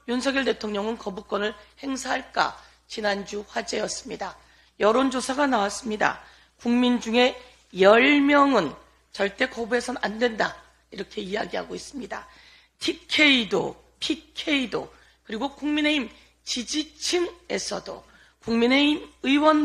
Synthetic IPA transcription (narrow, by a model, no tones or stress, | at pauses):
junsʰʌɡjʌɭte̞tʰoŋɲʌŋɯnkʌbuk͈wʌnɯɭhe̞ŋsʰaɦaɭk͈a̰ | t͡ɕinand͡ʑuɸwad͡ʑe̞jʌs͈ɯmɲida | jʌɾond͡ʑosʰaɡanawas͈ɯmɲida̰ | kuŋmind͡ʑuŋe̞ | jʌɭmjʌŋɯn | t͡ɕʌɭt͈e̞kʌbue̞sʰʌa̰ndwe̞nda | iɾʌkʰe̞ija̰ɡiɦa̰ɡois͈ɯmɲida̰ | tʰikʰe̞ido̰ | pʰikʰeido̰ | kɯɾiɡokuŋmine̞im | t͡ɕid͡ʑit͡ɕʰɯŋe̞sʰʌdo̰ | kuŋmine̞imɯiwʌn